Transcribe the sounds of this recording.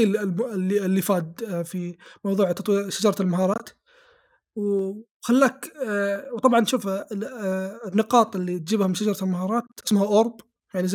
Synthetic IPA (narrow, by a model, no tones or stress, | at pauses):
ilmlːilːifaːd̪fimɑwðˤuːʕt̪ɑt̪wiːɾʃad͡ʒɑɾˤɑɪlmaɦɑːɾˤɑ̰ːt̪ | w | xalːaːk | wt̪ˤɑbʕɑnʃuːf | nːɪqɑːt̪ˤɪlːit̪̚d͡ʒiːbhamɪnʃad͡ʒɑɾˤɑt̪ɪlmahɑːɾˤɑːt̪ːɪsmhaʔʊɾˤb | jaʕniz